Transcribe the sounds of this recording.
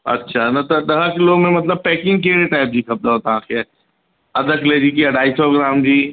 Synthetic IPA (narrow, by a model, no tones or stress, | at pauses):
ɐ̰tːʃʰanɐt̪od̪ɐɦəkloːɡmẽmɐt̪̬ləb̚pɛːkɪ̃ŋɡ̚keːɾeʈaːɪp̚d͡ʒiːkʰɐb̚d̪aɦoːt̪aãke | ɐd̪əkleːd͡ʒiːkiɐɖʱaːisɔːɡɾaːmd͡ʒiː